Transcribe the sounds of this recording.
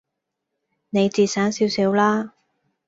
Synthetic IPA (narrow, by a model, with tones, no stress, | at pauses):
ne˨˧jt͡siː˨˧saː˨˥ŋsiː˨˥wsiː˨˥wlaː˥